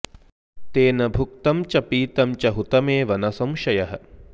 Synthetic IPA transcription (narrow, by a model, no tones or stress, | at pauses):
t̪eːnɐbʱuk̚t̪ɐmt͡ʃɐpiːt̪ɐmt͡ʃɐɦut̪ɐmeːʋɐnɐsɐmʃɐjɐɦɐ̆